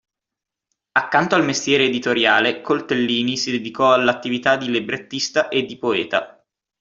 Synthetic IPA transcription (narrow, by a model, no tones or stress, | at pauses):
akːant̪oalmest̪jɛːɾeːd̪it̪oɾjaːlekolt̪elːiːnisid̪ed̪ikɔalːat̪ːivit̪ad̪ːilebɾet̪ːist̪aʔed̪ːipoɛːt̪a̰